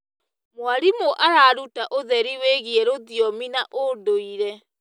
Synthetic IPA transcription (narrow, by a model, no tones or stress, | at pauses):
mwaɾimoʔaɾaːɾutaʔoðɛɾiweɣiɛɾoðiɔminaʔodoiɾɛ